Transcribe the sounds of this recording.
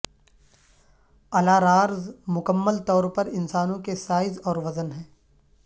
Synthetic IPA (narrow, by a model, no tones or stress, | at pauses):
ɐlaːɾaːɾzmʊkəmːəlt̪ɔːɾpɐɾɪnsaːnõkesaːɪzɔːɾʋɐzənɦɛ̃ː